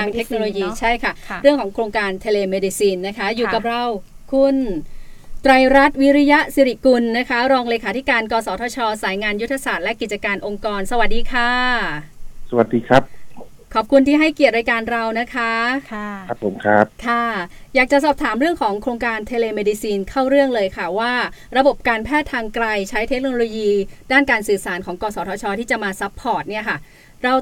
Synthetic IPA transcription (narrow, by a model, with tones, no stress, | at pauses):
aː˧ŋt̪ʰe˦˥k̚no˧loː˧jiː˧t͡ɕʰa˥˩jkʰa˥˩ɾɯ˥˩əŋkʰɔː˩˦ŋkʰɾoː˧ŋkaː˧nt̪ʰe˧leː˧meː˧di˧siː˧nːa˦˥kʰa˦˥juː˨˩ka˨˩p̚ɾa˧wkʰu˧n | t̪ɾa˧jɾa˦˥t̪̚wi˦˥ɾi˦˥ja˦˥ʔsi˨˧˥ɾi˨˩ku˧nːa˦˥kʰa˦˥ɾɔː˧ŋleː˧kʰaː˨˦i˦˥kaː˧nkɔː˧sɔː˩˦t̪ʰɔː˧t͡ɕʰɔː˧saː˩˦jŋaː˧nju˥t̪ʰːa˧saː˨˩t̪̚lɛ˦˥ki˨˩t̪̚t͡ɕa˧kaː˧nʔo˧ŋkɔː˧nsa˧wa˨˩t̪̚diː˧kʰaː˥˩ | sa˧wa˨˩t̪̚diː˧kʰɾa˦˥p̚ | kʰɔː˨˩p̚kʰu˧nt̪ʰiː˥˩ɦa˥˩jki˨˩ət̪̚ɾa˧jkaː˧nɾa˧wna˦˥kʰa˦˥a˦˥pʰːo˩˦mkʰɾa˦˥p̚kʰa˥˩jaː˨˩k̚t͡ɕa˨˩ʔsɔː˨˩p̚t̪ʰaː˩˦mɾɯ˥˩əŋkʰɔː˩˦ŋkʰɾoː˧ŋkaː˧nt̪ʰeː˧leː˧meː˧diː˧siː˧nkʰa˥˩wɾɯ˥˩əŋlɤː˧jkʰa˥˩waː˥˩ɾa˧bo˨˩p̚kaː˧npʰɛː˥˩t̪ʰːaː˧ŋkɾa˧jt͡ɕʰa˦˥jt̪ʰe˦˥k̚noː˧loː˧jiː˧daː˥˩nkaː˧nsɯː˨˩saː˩˦nkʰɔː˩˦ŋkɔː˧sɔː˩˦t̪ʰɔː˧t͡ɕʰɔː˧t̪ʰiː˥˩t͡ɕa˨˩maː˧sa˦˥pʰːɔː˨˩t̪̚ni˥˩ɐkʰa˥˩ | ɾa˧w